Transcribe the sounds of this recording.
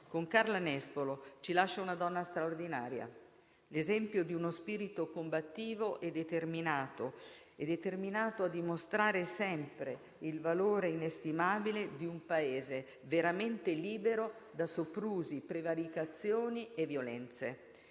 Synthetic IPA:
koŋkarlanɛspolot͡ʃilaʃːaunad̪ɔnːast̪ɾaord̪ina̰ːɾja̰ | lezɛmpjod̪iunospiːɾit̪okombat̪ːiːvoʔɛd̪ːet̪erminaːt̪o | ɛd̪ːet̪erminaːt̪oad̪ːimost̪ɾaːɾesɛmpɾe | ilvaloːɾeinest̪imaːbiled̪iumpaeːze | veɾament̪eliːbeɾo | d̪asopːɾuːzipɾevaɾikat̪sːjoːnievːjolɛnt̪sḛ

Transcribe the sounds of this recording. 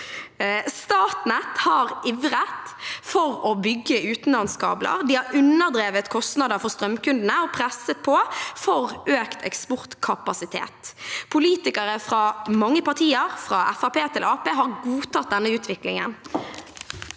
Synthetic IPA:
st̪ɑːt̪nɛt̪hɑːʁʔɪʋʁət̪fɔʁɔbʏɡːəʉːt̪n̩lɑnskɑ̰ːblə̰ʁd̪ihɑɾʉnːəd̪ɾeːʋət̪kʰɔst̪nɑd̪əɾfɔʁst̪ʁœmkʉnd̪n̩əɔpʰʁɛsːət̪̚pʰɔfɔʁøːkt̪ʰɛ̰kspɔʁt̪kʰɑpɑsɪt̪ʰḛːt̪pʰʊliːt̪ɪkəɾəfʁɑmɑŋːəpɑʁt̪ʰiːəʁfʁɑʔæfɑpeːt̪ʰɪlʔɑːpeːɦɑʁɡuːt̪ɑt̪̚d̪ɛnːəʉːt̪ʰʋɪklɪŋə̰n

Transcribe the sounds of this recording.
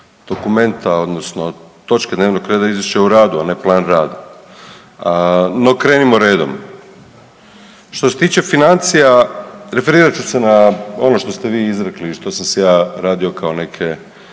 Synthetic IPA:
d̪̥o̞kume̞nt̪ao̞d̪no̞sno̞t̪o̞t͡ʃke̞d̪neʋnokɾe̞d̪aizʋiʃe̞uɾaːd̪uane̞plˠaːnɾaːd̪a | no̞kɾe̞ːnimoɾe̞ːd̪o̰m | ʃt̪oset̪iːt͡ʃe̞finant̪sijaɾe̞fe̞ɾiːɾat͡ɕuse̞nao̞no̞ʃt̪o̞st̪e̞ʋiːizɾekliʃt̪o̞samsejaːɾaːd̪io̞kʰaone̞kʰe̞

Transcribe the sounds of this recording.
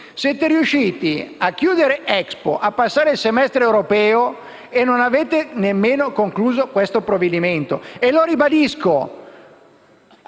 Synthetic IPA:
sɛt̪eɾiuʃːiːt̪iakːjuːd̪eɾeʔɛkspo̰ʔapːasːaːɾeilsemɛst̪ɾeːwɾopɛːo | enːonaveːt̪enemːeːnokoŋkluːzokwest̪opɾoved̪iment̪o̰eloɾibad̪isko

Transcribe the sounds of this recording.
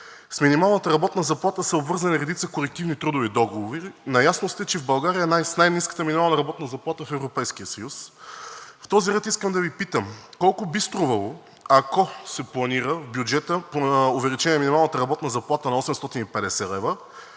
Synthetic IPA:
sminimalˠnət̪əɾɐbɔt̪nəzɐplˠat̪əsɐobvɤɾzɐniɾɛd̪it̪səkolɛk̚t̪ivnit̪ɾud̪ʊvid̪ɔɡovoɾinɐjasnʊst̪ɛt͡ʃɛvbɐlˠɡaɾiənajsnajniskə̥t̪əminimalˠnɐɾɐbɔt̪nəzɐplˠat̪əfɛvɾopɛjskijəsɐjus | ft̪ɔziɾɛt̪iskəmd̪ɐvipit̪əmkɔlˠkʊbist̪ɾuvɐlˠo | akɔsɛplˠɐniɾəvbjud͡ʒɛt̪əpʊvɛlit͡ʃɛnʲɛminimalˠnət̪əɾɐbɔt̪nəzɐplˠat̪ənɐɔsɛmst̪ɔt̪inipɛd̪ɛsɛlɛvə

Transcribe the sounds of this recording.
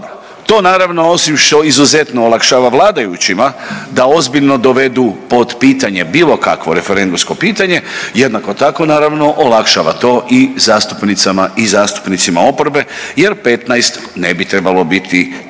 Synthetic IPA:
t̪o̞ːnaːɾaʋno̞o̞simʃt̪o̞izuze̞t̪noːlˠakʃaʋaʋlˠaːd̪ajut͡ɕimad̪ao̞zbiʎno̞d̪o̞ʋe̞d̪upo̞d̪piːt̪aɲe̞biːlo̞ka̰kʋo̞ɾe̞fe̞ɾe̞nd̪umsko̞piːt̪aɲe̞je̞d̪nako̞t̪ako̞naːɾaʋno̞ʔolakʃaʋa̰t̪o̞ːʔizaːst̪u̥pnit̪samaizaːst̪u̥pnit̪simao̞poɾbe̞je̞ɾpe̞t̪najst̪ | ne̞bit̪ɾe̞balo̞bit̪ʰi

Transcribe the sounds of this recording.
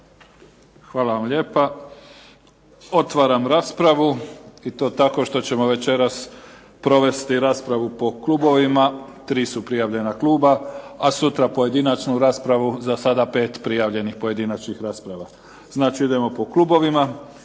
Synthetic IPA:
xʋaːlaʋamʎe̞ːpa | o̞t̪ʋaːɾamɾaːspɾaʋuit̪oːt̪ako̞ʃt̪o̞t͡ɕe̞mo̞ʋe̞t͡ʃe̞ɾas | pɾo̞ʋe̞st̪iɾaːspɾaʋupo̞kluːbo̞ʋimat̪ɾiːsupɾijaʋʎe̞nakluːbaasut̪ɾapo̞je̞d̪inat͡ʃnuɾaːspɾaʋuzasad̪ape̞ːt̪pɾijaʋʎe̞nixpoje̞d̪inat͡ʃnixɾaːspɾaʋa | z̥naːt͡ʃiid̪e̞mo̞po̞kluːbo̞ʋima

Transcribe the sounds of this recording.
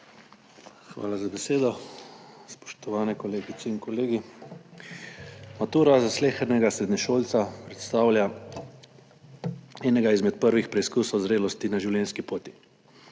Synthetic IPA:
xʋa̰ːlazabɛseːd̪ɔ | spɔ̥ʃt̪ɔʋaːnɛkɔleːɡit̪sɛiŋkɔleːɡi | mat̪uːɾazasleːxɛɾnɛɡasɾɛd̪nʲɛʃoːlt̪sapɾɛt̪st̪aːwlja | ɛːnɛɡaizmɛt̪̚pəɾʋixpɾɛiskusɔwzɾeːlɔst̪inaʒiwljɛnskipoːt̪i̥

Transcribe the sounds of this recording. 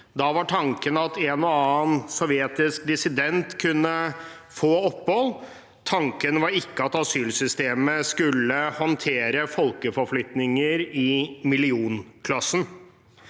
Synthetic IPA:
d̪ɑʋɑʈʰɑŋkənəɑt̪ʰɛnɔɑːənsɔʋjɛt̪ɪsk̚d̪ɪsɪd̪ɛnt̪kʰʉnːə | foːɔpːhɔl | t̪ʰɑŋkənəʋɑɾɪkːəɑt̪ɑsyːlsʏst̪eːməskʉlːəhɔnt̪ʰeːɾəfɔlkəfɔɾflʏt̪nɪŋəɾɪmɪlɪuːnkʰlɑsən

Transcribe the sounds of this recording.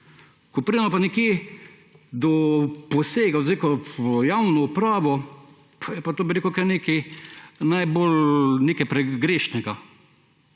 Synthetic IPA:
kɔpɾid̪nɔpanɛkjeː | d̪ɔpɔseːɡazekɔjawnɔupɾaːʋɔ | pjɛpat̪oːbiɾeːkukaɾneːkinajbolneːkɛjpɾɛɡɾeːʃnɛɡa

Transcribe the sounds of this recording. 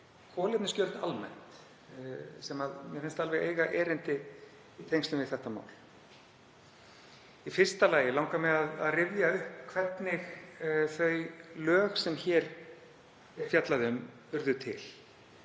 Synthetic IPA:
kʰɔːlɪp̪nɪscœlt̪almɛ̰n̥t̪ | sɛmaðmjɛɾfɪnst̪alvɛɣḛjɣaʔɛːɾɪnt̪ɪ | it̪ʰejŋst̪ʏmvɪθɛht̪ama̰ːwl | ifɪr̥st̪alaːjɪlawŋkamɛðaða̰ðrɪvðjaʏhpkʰvɛt̪nɪxθœɥlœːɣsɛmçɛːɾ | fjat̪laðɪm | ʏɾðʏt̪ʰɪ̰l

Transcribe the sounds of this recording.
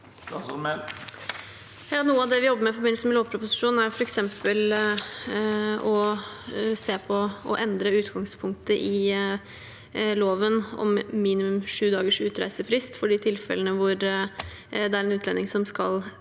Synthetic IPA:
jɑːnuːəɑʋd̪ɛʋɪjɔbːəmɛɪfɔɾbɪnəsəmɛloːʋpʰɾʊpʊsɪ̥ʂuːn̩æɾjʊfɔɾɛksɛmpəl | ɔ | seːpʰɔɔʔɛnd̪ɾəʉːt̪ɡɑŋspʰʊŋk̚t̪əʔɪ | loːʋənɔ̰mmiːnɪmʉmʂʉːd̪ɑːɡəʂʉːt̪ɾæ̰ɪsəfɾɪst̪fɔɖit̪ʰɪlfɛ̰lːənəʋʊɾ | d̪ɛæɾɛnʉːt̪ʰlɛ̰nɪŋsɔmskɑl

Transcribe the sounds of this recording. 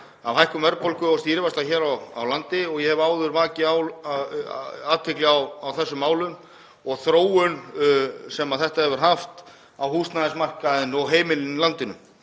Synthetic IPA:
avhɦajhkʏmvɛɾpʰolkʏɔst̪iɾvast̪açɛːɾawa̰wlant̪ɪɔɣjɛhɛvʏaːwðʏɾvaːcɪaw | aːt̪ʰɪklɪawawθɛsːʏmːaːwlʏm | ɔɣθɾoːwʏn | sɛmaðθɛht̪ahɛvʏɾ̥ɦaft̪ | awhuːst̪naðɪsmar̥kaðɪnɔɣɦeːjmɪlɪnlant̪ɪnʏ̰m

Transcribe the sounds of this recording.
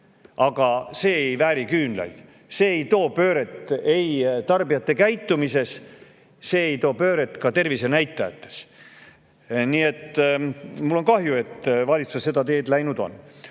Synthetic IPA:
ɑɡ̥ɑse̞ːejvæːɾikyːnlɑ̰jd̪̥ | se̞ːejt̪o̞ːpøːɾe̞t̪ˑːejt̪ɑrbijɑt̪ːe̞kæjt̪ːˑumise̞s | se̞ːejt̪o̞ːpø̞ːɾet̪ːˑkɑt̪e̞rvise̞næjt̪ːˑɑjɑ̰t̪ːˑe̥s | niːe̞t̪ː | mulːo̞nkɑɦjue̞t̪ːvɑlʲit̪susesse̞d̪ɑt̪e̞ːd̪læjnud̪o̞̰nː

